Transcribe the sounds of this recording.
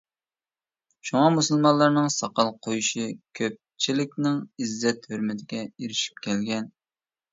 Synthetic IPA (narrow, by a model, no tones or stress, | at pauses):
ʃuŋɑmusɨlˠmɑlˠːɑɾnɨŋsɑqɑlˠqʰojuʃikʲʰøp̚t͡ʃʰilɪkʲnɪŋizːɛt̪høɾmɪt̪ʰɪɡʲɛiɾɪʃi̥p̚kʲʰɛlɡʲɛn